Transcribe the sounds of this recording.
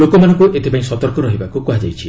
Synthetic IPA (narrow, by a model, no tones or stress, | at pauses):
okɔmanɔ̃ŋkuʔet̪epaĩsɔt̪ɔɾkɔɾɔɦibakukuɦad͡ʒa̰jt͡ʃʰi